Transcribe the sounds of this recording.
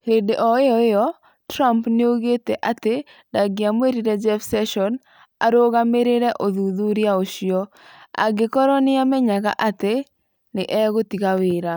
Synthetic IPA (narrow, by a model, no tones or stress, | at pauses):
hedeʔɔeɔjɔ | tɾampneoɣeteʔate | daɡɪamweɾiɾɛd͡ʒɛfsɛʃɔn | a̰ɾoɣameɾeɾɛʔoðuðuɾjaoʃjɔ | a̰ɡɪkɔɾɔnɪamɛɲaɣa̰ʔate | nɪʔɛɣotikawɪɾa